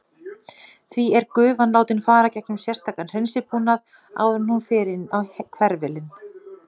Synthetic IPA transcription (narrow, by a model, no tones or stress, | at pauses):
θviɛɾkʏːvanlaːwt̪ɪnfaːɾacɛknʏmsjɛr̥st̪ʰaːkanr̥ɛnsɪpunað | a̰wðʏnhunfɪːɾɪnawkʰvɛɾvɛlɪn